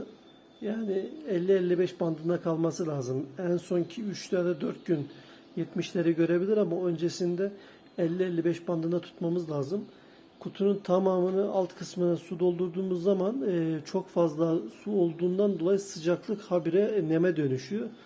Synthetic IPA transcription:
jaːnɪɛlʲːiɛlʲːibɛʃband̪ɯnd̪akʰalˠmasɯlʲaːzɯmænso̞ncʰiyt͡ʃt̪jad̪ad̪øɾt̪̚ɟyn | jɛt̪miʃlʲe̞ɾiɟø̞ɾe̞bilʲiɾamaø̞nd͡ʒesind̪ɛ | ɛlʲːiɛlʲːibɛʃband̪ɯnd̪at̪ʰu̥t̪mamɯzlʲaːzɯm | kʰut̪ʰununt̪ʰamaːmɯnɯʔalˠt̪kʰɯsmɯnasud̪o̞lˠd̪uɾd̪uːmuzːamanɯːt͡ʃʰo̞kfazlˠasuo̞lˠd̪uːnd̪and̪o̞lˠajɯsɯd͡ʒaklˠɯkhabiɾɛnemɛd̪ø̞nyʃyjo

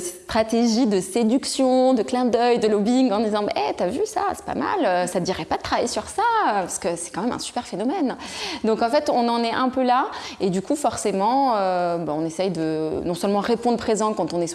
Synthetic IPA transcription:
sɛ̥t̪χat̪eʒid̪əsed̪yksjɔ̃d̪əklɛ̃d̪œjd̪əlɔbiŋɡɑ̃d̪izɑ̃mɛ̰ʔɛt̪yavysa̰sɛ̥pa̰ma̰løsad̪iʁɛpad̪ət̪χavajesyʁsaøpaʁsə̥kəsɛ̥kɑ̃mɛmɛ̰̃sy̥pɛʁfenɔmɛnd̪ɔ̃kɑ̃fɛt̪ɔ̃nɑ̃nɛʔɛ̃pølaed̪ykʰufɔʁsemɑ̃øbaɔ̃nesɛjd̪ənɔ̃sœlmɑ̃ʁepɔ̃d̪ʁəpχezɑ̃kɑ̃t̪ɔ̃nɛ

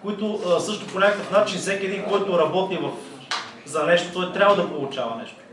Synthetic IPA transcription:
koit̪ʊsɤʃt̪ʊponʲakəkəfnat͡ʃinzɛkʲɛd̪inkɔjt̪oɾɐbɔt̪ivɐf | zɐnɛʃt̪o̥t̪ɔit̪ɾʲabvɐd̪ɐpolˠʊt͡ʃavɐnɛʃt̪o̥

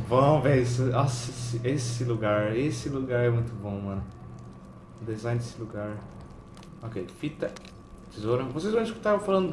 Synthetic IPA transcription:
vɐ̃vesasɪsɪesɪluɡaɾesɪluɡaɾɛmũj̃t̪ʊbõmɐ̃nʊ | d̪ezãj̃nd̪esɪluɡaɾ | okejfit̪ɐ | t̪izoɾɐ̃vosejzvɐ̃w̃isku̥t̪aɾfalɐ̃nd̪ʊ

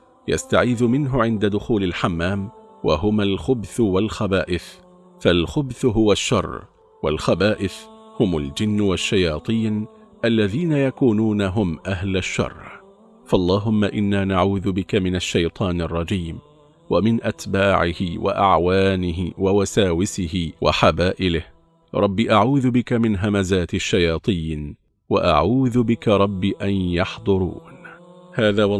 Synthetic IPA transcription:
ja̰st̪aʕiːðʊmɪnɦʊʕɪnd̪ad̪ʊxuːlɪlħamːaːmwa̰ɦʊmalxʊbθʊwalxabaːʔɪθ | falxʊbθʊɦʊwaʃːɑ̰rˤː | wa̰lxabaːʔɪθhʊmʊld͡ʒɪnːwaʃːajɑːt̪ˤiːn | ʔalːaðiːnajakuːnuːnaɦʊmʔaɦlaʃːɑ̰rˤː | fɑʔlˤːɑːɦʊmːaʔɪnːaːnaʕuːðʊbɪkamɪnaʃːajt̪ˤʰɑːnɑrˤːɑd͡ʒiːm | wamɪnʔat̪baːʕɪhɪwa̰ʔa̰ʕwaːnɪɦɪwawasaːwɪsɪhɪwʔa̰ħabaːʔɪlɪh | ɾˤɑbːiʔaʕuːðʊbɪkamɪnɦamazaːt̪ɪʃːajɑːt̪ˤiːn | wa̰ʔa̰ʕuːðʊbɪkaɾˤɑbːiʔanjɑħd̪ˤʊɾˤṵːnhaːðaːwɑ

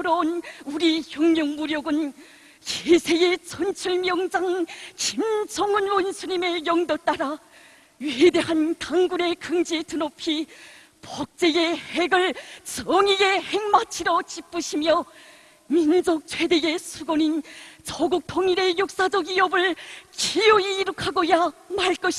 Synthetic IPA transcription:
ɾʌonuɾiçjoŋmjʌŋmuɾjoɡɯn | t͡ɕesʰe̞e̞t͡ɕʰʌnt͡ɕʰuɭmjʌŋd͡ʑaŋt͡ɕimsʰʌŋɯnwonsʰuɲime̞jʌŋdʌt͈aɾa | ɥiede̞ɦantaŋɡune̞kɯŋd͡ʑitɯnopʰi | pʌk̚t͡ɕ͈e̞ehe̞ɡɯɭt͡ɕʌŋiɡe̞he̞ŋmat͡ɕʰiɾot͡ɕip͈ɯɕʰimjʌ | mind͡ʑok̚t͡ɕʰwe̞dee̞sʰuɡonint͡ɕʌɡuk̚tʰoŋiɾe̞jok̚s͈ad͡ʑʌɡiʌbɯɭt͡ɕijoiːɾɯkʰaɡojamaɭk͈ʌɕʰi̥

